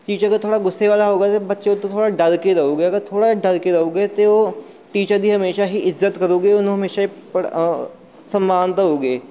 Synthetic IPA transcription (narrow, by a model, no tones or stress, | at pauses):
t͡ʃiːd͡ʒəɡəɾt̪ʰoːɽaːɡʊsːeʋaːlaːɦoːɡaːt̪ebətːʃeʊt̪ːõt̪ʰoːɽaːɖəɾkeɾəoːɡeːəɡəɾt̪ʰoːɽaːɖəɾkeɾəoːɡeːt̪eːoː | ʈ̪iːt͡ʃəd̪iːɦəmeːʃaːɦiːɪzːət̪kəɾoːɡeːʊnũːɦəmeːʃaːp | səmːaːnt̪aɦoːɡeː